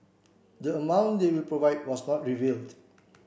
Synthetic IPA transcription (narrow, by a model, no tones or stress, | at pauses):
dəəmãw̃ndewilpɹovaɪd̚wɔsnɔt̚ɹivild